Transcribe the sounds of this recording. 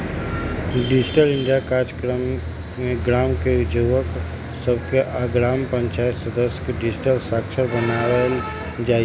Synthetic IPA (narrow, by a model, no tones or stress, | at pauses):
ɖɪd͡ʒɪʈəlɪ̃ɳɖijakaːɾd͡ʒkɾəmː | eɡɾaːmked͡ʒʱuʋək | səbkeʔaɡɾaːmpə̃ɲt͡ʃaːjət̪səd̪əsjə̥kɖɪd͡ʒɪʈəlsaːkʃʰəɾbənaəl | d͡ʒaːi